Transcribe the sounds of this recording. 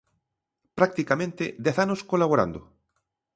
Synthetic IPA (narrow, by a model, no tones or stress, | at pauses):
pɾak̚t̪ikamẽnt̪ɪ̰d̪ɛθanoskolaβ̞oɾa̰nd̪ʊ